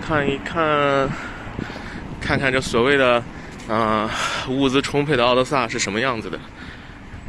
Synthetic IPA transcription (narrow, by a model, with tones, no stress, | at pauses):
kʰa˥˩ni˧kʰa˥˩n | kʰa˥˧nkʰa˥˩nʈ͡ʂɤ˥˩ɡswɔ˨˩we˥˩ɪd̪ə˩ | ə˧u˥˩t͡sɹ̩˧ʈ͡ʂʰʊ˥ŋpʰe˥˩ɪd̪ə˩ɑ˥ʊt̪ə˥sa˥˧ʂɻ̩˥˩ʂə˧˥nmə˧jɑ˥˩ŋd͡zɹ̩˩d̪ə̰˩